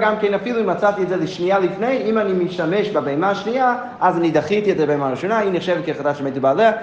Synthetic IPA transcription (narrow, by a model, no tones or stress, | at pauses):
ɡamkɛnafilˠuɪmat͡satiɛtzɛliʃnialˠifneɪimanimiʃtamɛʃbabeɛmaʃnia | azanidaχitiɛtdəɾbeɛmaɾiʃɔnainiχʃɛvɛtkiχadaʃmeɪtibalˠɛ